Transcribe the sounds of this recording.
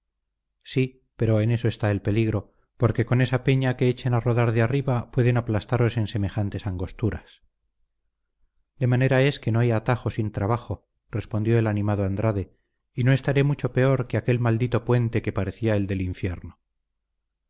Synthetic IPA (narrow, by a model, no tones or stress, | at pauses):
si | pe̞ɾo̞ene̞soe̞st̪aelpe̞liɣɾo̞ | po̞ɾke̞ko̞ne̞sape̞ɲake̞et͡ʃe̞naro̞ðaɾðeariβapwe̞ðe̞naplast̪aɾo̞se̞nse̞mexant̪e̞saŋɡo̞st̪uɾas | d̪e̞mane̞ɾae̞ske̞noajat̪aχo̞sint̪ɾaβaχo̞ | re̞spo̞nd̪jo̞e̞lanĩmað̞oand̪ɾaðe̞ | ino̞e̞st̪aɾemut͡ʃo̞pe̞o̞ɾkeake̞lmald̪it̪o̞pwe̞nt̪e̞ke̞paɾe̞θiae̞ld̪e̞liɱfje̞ɾno